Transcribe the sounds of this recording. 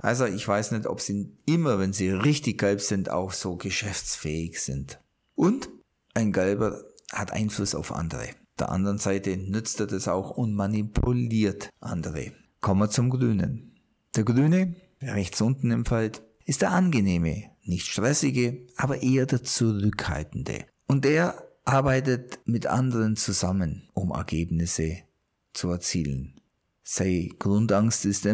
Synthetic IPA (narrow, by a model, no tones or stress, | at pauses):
ʔa̰lzoɪçv̥aɪsnɛçtɔ̰pz̥iːɪmɐvɛnziːʁɪçtɪçɡ̥ɛlpz̥ɪnta̰ʊxz̥oːɡəʃɛft͡sfɛːɪçz̥ɪ̰nt | ʔʊnt | ʔaɪnɡɛlbɐhatʔa̰ɪnflʊsa̰ʊfʔa̰ndəʁə̰ | d̥eːɐʔa̰ndəʁənz̥aɪtənʏt͡stedasa̰ʊxʊntmanipʰuliːɐtʔa̰ndəʁə̰ | kʰɔmət͡sʊmɡʁyːnə̰n | d̥eːɐɡʁyːnə̥ | ʁɛçt͡sʔʊntn̩ɪmfalt | ʔɪstd̥eːɐʔanɡəneːmə̰nɪçtʃtʁ̥ɛsɪɡəʔaːbɐʔeːɐdeːɐt͡suʁʏkha̰ltn̩də̰ | ʔʊnteːɐʔaɐbaɪtətmɪtʔa̰ndəʁənt͡suzamənʔʊmɛ̰ɐɡeːbnɪsə | t͡suɛɐt͡sḭːlə̰n | z̥aɪɡ̥ʁʊntaŋstɪsteː